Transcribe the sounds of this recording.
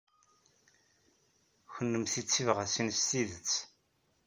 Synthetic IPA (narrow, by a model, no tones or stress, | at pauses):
çənːəmθit͡sːivʁasinsːiðət͡sː